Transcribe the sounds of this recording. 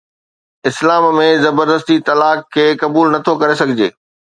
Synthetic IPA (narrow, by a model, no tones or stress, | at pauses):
ɪslaːmmẽzɐbəɾd̪əst̪it̪ɐlaːkʰːeːkɐbuːlnɐt̪ʰokɐɾesɐɡʱɪd͡ʑeː